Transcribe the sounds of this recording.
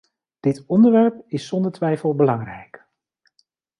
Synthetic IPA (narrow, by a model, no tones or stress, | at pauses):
d̥ɪtɔndəɹʋɛɹpɪsːɔndəɹtʋɛjfəlˠbəlɑŋrɛjk